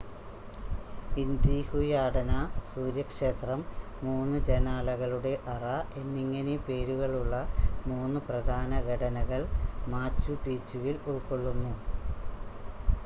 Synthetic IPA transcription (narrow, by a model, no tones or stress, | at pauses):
ind̪iːhujaːɽɐnɐsuːɾjɐkʂe̞ːt̪rɐmː | uːnːɨd͡ʑenaːlɐɣɐɭuɽe̞ʔɐrɐe̞nːiŋːɐnepe̞ːɾuɣɐɭuɭːɐmuːnːɨprɐd̪ʱaːnɐɡʱɐɽɐnɐɣɐɭmaːt͡ɕːupiːt͡ɕːuʋiluɭkoɭːunːu